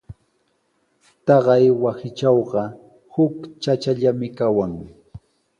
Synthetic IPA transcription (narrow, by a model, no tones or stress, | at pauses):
t̪ɑɢɑjwasɪt͡ʃɑwɢɑ | hʊkt͡ʃat͡ʃaʎamɪkawaŋ